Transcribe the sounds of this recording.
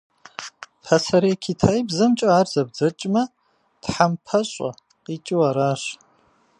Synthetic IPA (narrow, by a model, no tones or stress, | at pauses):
pʰɐsɐɾeːkʰitʰaːjbzɐmt͡ʃʼɐaːrzɐb̚d͡zɐt͡ʃʼmɐ | tħampʰɐɕʼɐ̰ | qit͡ʃʼɪwɐɾaːɕ